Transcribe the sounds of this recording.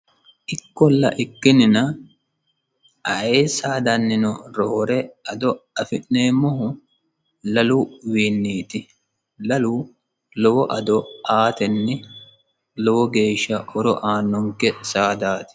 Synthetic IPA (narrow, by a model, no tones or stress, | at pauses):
ʔɪkːɔlːɐ̰ʔɪkːɪnɪnɐ | ɐeːsaːd̪ɐnːɪnɔɾoːɾɛɐd̪ɔɐfɪnneːmːɔɦʊ | lɐluwiːnːiːt̪ɪ | lɐluː | lɔwɔʔɐd̪ɔaːt̪ɛnːɛ | lɔwɔɡe̞ːʃːɐʔɔɾɔʔaːnːɔŋkɛsaːd̪aːt̪ɪ̥